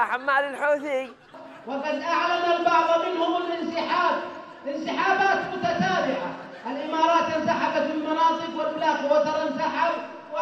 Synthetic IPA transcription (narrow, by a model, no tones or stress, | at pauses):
aħamːaːlɪlħuːθi | wɪqɑd̪ʔaʕlanalbɑʕðˤmɪnhʊmʊlʔɪnsɪħaːb̚ | ɪnsɪħaːbaːt̪mʊt̪at̪aːbɪʕa̰ | ʔalʔɪmɑːɾˤɑːt̪ʔɪnsaħabat̪bɪlmɑnɑːt̪ˤɨqwɪlblaːxwat̪ɑɾˤɪnsaħab̚